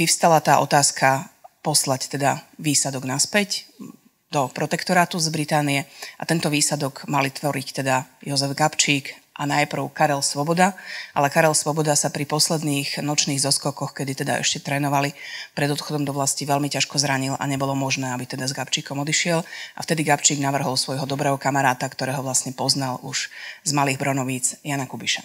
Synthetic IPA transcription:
ʋiʊst̪alat̪aːʔɔ̰t̪aːskʰapɔslact̪ɛd̪aʋiːsad̪ɔɡnaspɛc | d̪ɔpɾɔt̪ɛkt̪ɔɾaːt̪uzbɾit̪aːnijɛʔat̪ɛnt̪ɔʋiːsad̪ɔɡmalit̪ʋɔɾict̪ɛd̪ajɔzɛvɡapt͡ʃiːkʔanajpr̩ʊkaɾɛlsʋɔbɔd̪aʔa̰lɛkaɾɛlsʋɔbɔd̪asapɾipɔslɛd̪niːɣnɔt͡ʃniːɣzɔskɔkɔxkɛd̪it̪ɛd̪a̰ʔɛ̰ʃcɛt̪ɾɛːnɔʋalipɾɛd̪ɔt̪xɔd̪ɔmd̪ɔʋlasciʋɛlmicaʃkɔzɾaɲila̰ɲɛbɔlɔmɔʒnɛːabit̪ɛd̪azɡapt͡ʃiːkɔmɔd̪iʃɪɛlʔaft̪ɛd̪iɡapt͡ʃiːɡnaʋr̩ɦɔlsʋɔjɦɔd̪ɔbɾɛːɦɔkamaɾaːt̪akt̪ɔɾɛːɦɔʋlasɲɛpɔznalʔuʒ̥zmaliːɣbɾɔnɔʋiːt͡sjanakubiʃa

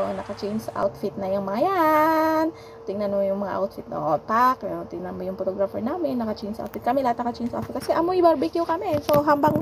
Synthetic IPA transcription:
onɐkɐt͡ʃɛjnsʔa̰wt̪fɪt̪̚nɐjʊŋmɐŋajan | t̪ɪŋnanmojʊŋmɐŋa̰ʔa̰wt̪̚fit̪̚o̰ʔot̪̚pakot̪ɪŋnanmojʊŋpot̪oɡɾafɛɹnaːmɪnːɐkɐt͡ʃɛjnsa̰wt̪̚fɪt̪kɐmɛlahat̪̚nɐkɐt͡ʃɛjnsʔa̰t̪fɪt̪kɐsɛʔɐmoʔibaɾbikjʊkɐmɛsoɦambaŋ

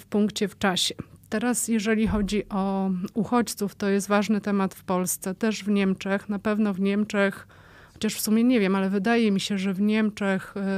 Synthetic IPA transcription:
fpuŋkt͡ɕɛft͡ʂaɕɛt̪ɛɾasjɛʐɛlʲixɔd͡ʑiʔɔuxɔt͡ɕt̪suft̪ɔjɛs̬t̪vaʐnɘt̪ɛmat̪fpɔlst̪sɛt̪ɛʐvɲɛmt͡ʂɛxn̪apɛvnɔvɲɛmt͡ʂɛx | xɔt͡ɕaʂfsumʲjɛɲɛvʲjɛmalɛvɘd̪ajɛmʲiɕɛʐɛvɲɛmt͡ʂɛx

